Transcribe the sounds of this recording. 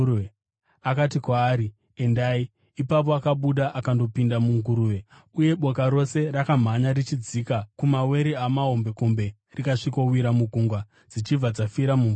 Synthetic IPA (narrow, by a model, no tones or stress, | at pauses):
akatikwaːɾi | endai | ipap̬o̞akaɓuɗaʔakando̞pindamuŋɡuɾuwe̞ | uje̞ɓo̞kaɾo̞se̞rakam̤aɲaɾit͡ʃid͡ziːkakumawe̞ɾiamaɦo̞mbe̞ko̞mbe̞ | rikaʂikowiɾamuɡʱuŋɡwa | d͡zit͡ʃivad͡zafiɾamum